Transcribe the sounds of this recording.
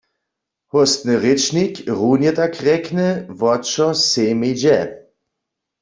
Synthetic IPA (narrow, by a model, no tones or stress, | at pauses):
hɔst̪nɨʁɪt͡ʃnikʁunjɛt̪akʁɛknəvɔt͡ʃɔseːmed͡ʒɛ